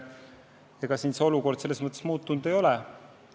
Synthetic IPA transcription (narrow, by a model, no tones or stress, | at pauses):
eɡ̥ɑsiːnseo̞luko̞rd̪̥se̞lːe̞smɤt̪ːˑe̞smuːt̪ːunud̪̥ejo̞lɛ